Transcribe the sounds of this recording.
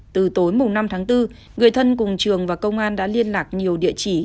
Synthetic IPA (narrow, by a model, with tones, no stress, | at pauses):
t̪ɨ˨˩t̪o˨˦jmʊ˨˩ŋ͡mna˧mt̪ʰaː˨˦ŋt̪ɨ˧ | ŋɨ˨˩əjt̪ʰə˧nkʊ˨˩ŋ͡mt͡ɕɨ˨˩əŋvaː˨˩kə˧wŋ͡mʔaː˧nɗa̰ː˧˥li˧ənlaː˨˩k̚ɲi˨˩əwɗḭ˧˨ət͡ɕi˧˩